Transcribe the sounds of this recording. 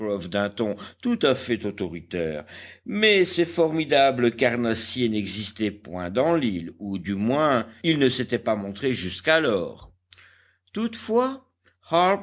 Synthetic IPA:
ɔfd̪ɛ̃t̪ɔ̃t̪ut̪afɛt̪ot̪ɔʁit̪ɛ̰ːʁmɛsɛfɔʁmid̪abləkaʁnasjenɛɡzist̪ɛpwɛ̃d̪ɑ̃lilud̪ymwɛ̃ilnəset̪ɛpamɔ̃t̪χeʒyskalɔːʁ | t̪ut̪fwa | ha

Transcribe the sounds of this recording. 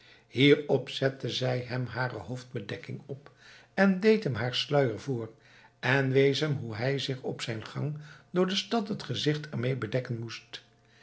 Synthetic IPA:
hiːɹɔpsɛtəzɛjɦɛmɦaːrə̰ɦowfd̚bədɛkɪŋɔp | ɛndejtɦəmɦaːɹslœɥəɹvʊːɹ | ɛnʋejsəmɦuɦɛjzɪχɔpsɛjnχɑ̰ŋdʊːɹdəstɑtɦətχəzɪχtʰɛɹmejbədɛkənmust

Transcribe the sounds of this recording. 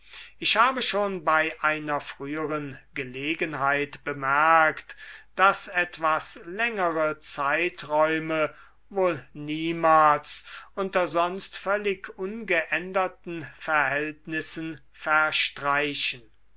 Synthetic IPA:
ʔɪʃhaːbəʃoːnbaɪʔaɪnɐfʁ̥yːəʁənɡəleːɡənɦaɪtb̥əmɛɐktd̥asɛtv̥aslɛŋəʁət͡saɪtʁɔʏmə | voːlniːmaːlsʔʊntɐzɔnstfœlɪkʰʔʊnɡəʔɛndɐtn̩fɛɐhɛltnɪsən | fɛɐʃtʁ̥aɪʃən

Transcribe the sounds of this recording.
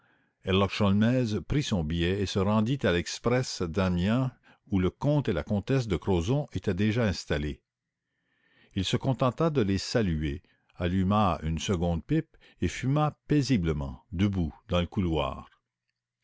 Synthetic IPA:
ɛlɔkʃɔlmɛzpɾisɔ̃bijɛesəʁɑ̃d̪it̪alɛkspɾɛsd̪amjɛ̃ | uləkɔ̃ːt̪ela̰kɔ̃t̪ɛs̬d̪əkɾozɔ̃ʔet̪ɛd̪eʒaɛ̃st̪ale | ilsəkɔ̃t̪ɑ̃t̪ad̪əlesalye | alymaynsəɡɔ̃d̪̚pɪp | efymapezibləmɑ̰̃d̪əbud̪ɑ̃ləkulwa̰ːʁ

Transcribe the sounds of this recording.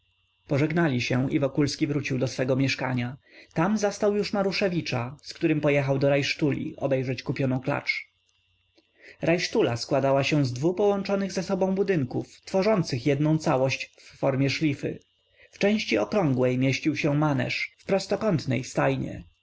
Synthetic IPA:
pɔʐɛɡnalʲiɕɛivɔkulskʲivɾut͡ɕiwd̪ɔsfɛɡɔmʲjɛʂka̰ɲa | t̪amzast̪awjuʂmaɾuʂɛvʲit͡ʂaskt̪uɾɘmpɔjɛxawd̪ɔɾajʂt̪ulʲḭʔɔ̰bɛjʐɛt͡ɕkupʲjɔnɔ̃w̃kla̰t͡ʂ | ɾajʂt̪ulaskwad̪awaɕɛ̃zd̪vupɔwɔnt͡ʂɔnɘɣzɛsɔbɔ̃w̃bud̪ɘŋkuft̪fɔʐɔnt̪sɘxjɛd̪nɔ̃w̃t̪sawɔɕt͡ɕfːɔɾmʲjɛʂlʲifɘ̰ | ft͡ʂɛ̃w̃ɕt͡ɕiɔkɾɔ̃ŋɡwɛjmʲjɛɕt͡ɕiwɕɛmanɛ̰ʂfpɾɔst̪ɔkɔnt̪nɛjst̪ajɲɛ̰

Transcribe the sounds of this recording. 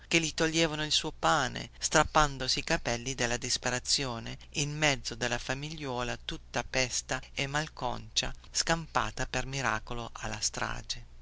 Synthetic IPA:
k̟elit̪oʎːeːvanoilsuːopaːnḛst̪ɾapːand̪osiːkapɛlːid̪elːad̪ispeɾat̪sːjoːneilmɛd̪zːod̪elːafamiʎːɔːlat̪ut̪ːapɛst̪aemːalkɔ̰nt͡ʃaskampa̰ːt̪apermiɾa̰ːkoloʔa̰lːast̪ɾa̰ːd͡ʒe

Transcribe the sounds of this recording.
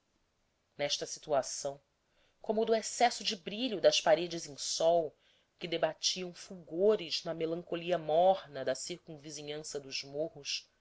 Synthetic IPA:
nɛʃt̪ɐsi̥t̪uasɐ̃w̃ | kõmʊd̪ʊesɛsʊd͡ʒɪbɾiʎʊd̪ɐspaɾed͡ʒɪzẽj̃sɔw | kɪd̪ebat͡ʃiɐ̃w̃fuɡoɾɪznɐmelɐ̃ŋkoliɐmɔhnɐd̪ɐsiɾkũviziɲɐ̃sɐd̪ʊzmohʊʃ

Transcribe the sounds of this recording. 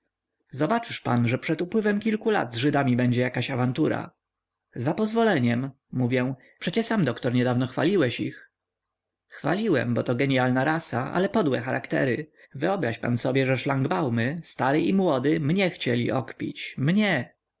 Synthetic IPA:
zɔbat͡ʂɘʂpa̰nʐɛpʂɛt̪upwɘvɛmkʲilkula̰d̪zʐɘd̪amʲibɛɲd͡ʑɛjakaɕavant̪uɾa̰ | zapɔzvɔlɛɲɛmː | uvʲjɛ̃ | pʂɛt͡ɕɛsamd̪ɔkt̪ɔɾɲɛd̪avnɔxfa̰lʲiwɛɕḭx | xfa̰lʲiwɛ̰mbɔt̪ɔɡɛɲjalnaɾasaʔa̰lɛpɔd̪wɛ̰xaɾʔa̰kt̪ɛ̰ɾɘ | vɘɔbɾaɕpa̰nsɔbʲjɛʐɛʂlaŋɡbawmɘst̪aɾɘʔimwɔd̪ɘmɲɛxt͡ɕɛlʲḭʔɔkpʲḭt͡ɕmɲɛ

